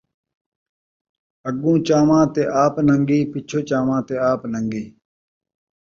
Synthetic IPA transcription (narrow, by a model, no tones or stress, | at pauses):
əɡũːt͡ʃaːmãːt̪eːʔaːpnəŋɡiːpɪt͡ʃʰoːt͡ʃaːmãːt̪eːaːpnəŋɡiː